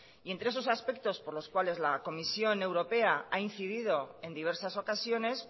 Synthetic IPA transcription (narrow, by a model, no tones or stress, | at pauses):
ient̪ɾees̬o̞saspe̞k̚t̪o̞spo̞ɾlo̞skwale̞zlako̞misjo̞ne̞wɾo̞pe̞aain̟θiðið̞o̞e̞nd̪iβe̞ɾsaso̞kasjo̞ne̞s